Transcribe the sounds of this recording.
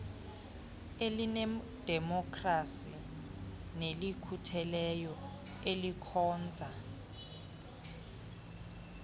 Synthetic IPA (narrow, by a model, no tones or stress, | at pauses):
elinɛ | d̥ʱɛmɔkʰʼrasi | nelikʰutʰɛlɛjɔ | elikʰɔːnd͡zʱa